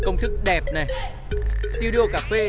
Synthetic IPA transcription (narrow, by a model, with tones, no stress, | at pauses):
kə˧wŋ͡mt̪ʰɨ˦˥k̚ɗɛ˨˩p̚na˨˩j | t̪i˧ɗi˧o˧kaː˧˩fe˧